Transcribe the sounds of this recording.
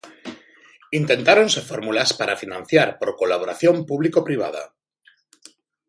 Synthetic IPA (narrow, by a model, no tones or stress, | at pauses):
int̪e̞nt̪aɾo̞nsefo̞ɾmulaspaɾafinãn̟θjaɾpo̞ɾko̞laβo̞ɾaθjo̞mpuβlikopɾiβ̞a̰ð̞a̰